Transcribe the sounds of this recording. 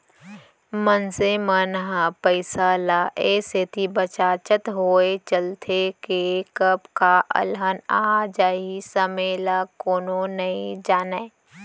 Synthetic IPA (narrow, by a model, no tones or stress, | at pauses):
mənsemənɦapəɪsalaʔeset̪ibət͡ʃaːt͡ʃət̪ɦoːet͡ʃəlt̪ʰekekəpkaʔə̰lɦənaːd͡ʒaːisəmelakoːnonɐĩd͡ʒaːneː